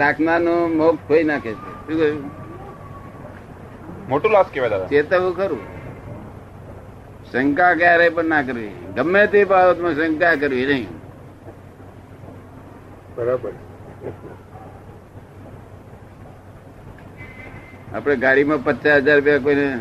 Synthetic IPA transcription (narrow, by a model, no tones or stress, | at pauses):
sakʰnanũmok̚ʰoinakʰet͡ʃʰḛʃũke | moʈulaskeʋad̪ad̪at͡ʃet̪əɦũkəɾṵ̃ | səŋkakaɾəipəɳnak̬əɾʋḭɡəmːet̪epaot̪mãsəŋkak̬əɾʋinəɦĩ | bəɾabəɾ | a̰ːpɽ̃eɡaɽimãpət͡ʃaɦəd͡ʒaɾʊp̬jak̬oine